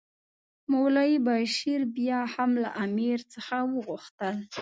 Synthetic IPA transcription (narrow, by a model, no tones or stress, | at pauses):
mʊwlɑjibaʃiɾbjɑhamla̰ʔamiɾt͡səxawəɣuxt̪əl